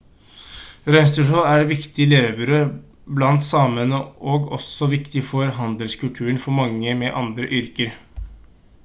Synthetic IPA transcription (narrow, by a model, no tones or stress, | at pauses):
ɾɛnst̪əʂoːæɖʋɪkt̪ɪleːʋəbʉɾøː | blɑnt̪sɑːmənəʔoːɡɔsɔʋɪkt̪ɪfɔɾɦɑnd̪əlskʰʉlt̪ʰʉːənfɔɾmɑŋːəmɛʔɑnd̪ɾəʔʏɾkəɾ